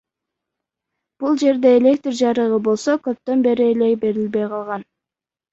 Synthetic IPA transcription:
b̥ulˠd͡ʒe̞ɾd̪e̞ːlʲe̞kt̪rd͡ʒɑɾɯʁɯbo̞lˠso̞kø̞p̚t̪ø̞nbe̞ɾiele̞be̞ɾilbe̞jqʰɑlˠʁɑn

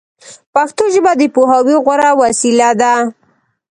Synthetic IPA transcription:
paxt̪oʒəbad̪əpoɦawiɣwaɾawasilad̪a

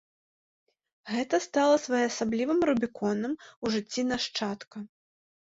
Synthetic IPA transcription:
ɣɛt̪ɐst̪alˠɐsvajɛɐsablʲivɨmɾubʲikʰɔnɨmuʐɨt͡sʲːinaʂt͡ʂat̪kɐ

